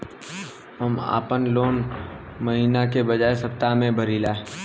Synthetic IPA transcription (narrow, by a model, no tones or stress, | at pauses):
ɦəma̰ːpənloːnməɦiːnakebəd͡ʒaːesəpt̪amẽbʱəɾiːlaː